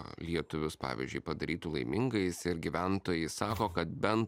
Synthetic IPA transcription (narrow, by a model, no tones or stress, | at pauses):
lʲiɛt̪ʊʋʲʊspɑ̰ːʋʲḭzʲd͡ʒʲʊɪpɐd̪ɐɾʲiːt̪uːlˠɐɪmʲɪŋɡɐɪsɪɾɡʲiʋʲænt̪oːjɛɪsɑːkoːkɐt̪̚bʲɛnt̪